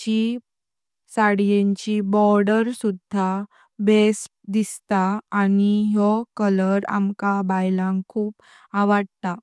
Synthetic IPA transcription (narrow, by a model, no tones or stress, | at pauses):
t͡ɕi | saɽjẽɲt͡ɕibɔɾɖəɾsud̪ʱa | bes | d̪ist̪aːniɦjɔkələɾa̰mkabajlãŋkʰːuːp | aʋəɽt̪a